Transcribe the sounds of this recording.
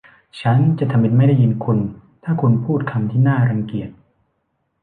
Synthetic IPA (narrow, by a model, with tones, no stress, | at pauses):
t͡ɕʰa˦˥nt͡ɕa˨ʔt̪ʰa˧mːi˧t̪̚ma˥˩jda˥˩ji˧nkʰu˧nt̪ʰaː˥˩kʰu˧npʰuː˥˩t̪̚kʰa˧mt̪ʰiː˥˩naː˥˩ɾa˧ŋki˨˩ət̪̚